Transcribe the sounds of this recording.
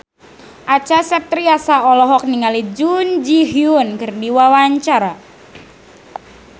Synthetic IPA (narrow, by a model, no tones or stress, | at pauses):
ʔat͡ʃasɛp̚t̪ɾiasaɔlɔɦɔk̚niŋalid͡ʒund͡ʒiɦiunkərdiwawaɲt͡ʃaɾa